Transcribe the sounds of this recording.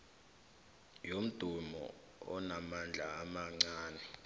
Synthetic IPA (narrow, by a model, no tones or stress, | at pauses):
jom̩d̥ʱumɔ̰ | ɔ̰namand͡ɮʱaːmaŋ͡ǀaːnɛ